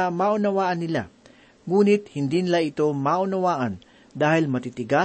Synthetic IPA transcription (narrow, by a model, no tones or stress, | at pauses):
ɐmaːʔʊnɐwaːʔɐnːɪla̰ | ŋuːnɪt̪̚hɪnd̪iːnɪlaʔɪt̪o̞maːʔʊnɐwaːʔɐn | d̪aːhɪlmɐt̪it̪ɪɡa